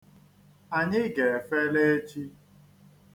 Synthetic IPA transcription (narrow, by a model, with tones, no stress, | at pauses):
a˨ɲɪ˦ɡe˨e˨fe˦le˦e˦t͡ʃi˦